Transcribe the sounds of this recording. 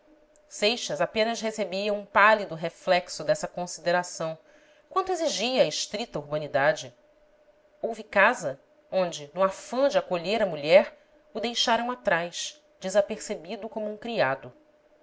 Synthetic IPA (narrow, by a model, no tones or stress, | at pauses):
sejʃɐzapẽnɐsɦesebiɐ̃ũpalid̪ʊɦeflɛksʊd̪ɛsɐkõsid̪eɾasɐ̃w̃ | kwɐ̃nt̪ʊezeʒiɐːeʃt̪ɾit̪ɐuɾbɐ̃nid̪ad͡ʒɪ | owvikazɐ | õnd͡ʒɪnuafɐ̃d͡ʒɪakoʎeɾɐmuʎɛɾ | ud̪ejʃaɾɐ̃w̃at̪ɾajʃ | d͡ʒɪzapeɾsebid̪ʊkõmʊũkɾiad̪ʊ